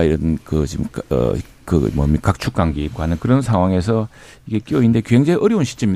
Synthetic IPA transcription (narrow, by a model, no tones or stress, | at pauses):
iɾʌnkɯt͡ɕimʌ̰ | kɯ̰mʌ̰mikak̚t͡ɕʰuk͈aŋɡiit̚k͈oɦanɯnkɯɾʌnsʰaŋwaŋe̞s̬ʰʌ | iɡe̞k͈joinde̞kjuɦe̞ŋd͡ʑeʔʌɾjʌunɕʰi̥t͡ɕ͈emiɲi